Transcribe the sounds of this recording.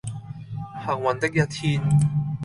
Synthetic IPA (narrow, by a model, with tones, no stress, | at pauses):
ha˨˩ŋwɐ˨nt̪ɪ˥k̚jɐ˥t̚t̪ʰiː˥n